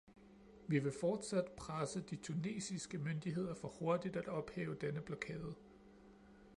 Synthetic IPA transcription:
ʋiʋe̝fɒːd̥sæd̥pʰʁasəd̥it͡sʰune̝̰ːsisɡ̥əmønd̥iɦe̝ð̞̰ˠɐfɒ̽ho̝ɐd̥id̥æd̥ɒ̽b̥hɛ̰ːʊəd̥enəb̥lɒkʰɛ̰ːð̞̩ˠ

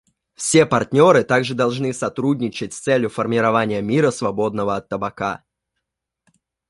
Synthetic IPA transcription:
fsʲe̞pɐrtʲnʲo̞ɾɨt̪aɡʐɨd̪ɐlˠʐnɨsɐt̪ɾudʲnʲɪt͡ɕɪtʲst̪sɛlʲjʊfərmʲɪɾɐvanʲɪjəmʲiɾəsvɐbo̞d̪nəvəɐt̪ːəbɐka̰

